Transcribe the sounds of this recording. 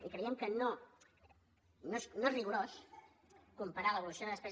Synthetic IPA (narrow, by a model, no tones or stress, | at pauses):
ikɾəiəmkəno | nosnoezriɣuɾos | kumpəɾaləβulusionðəspɛz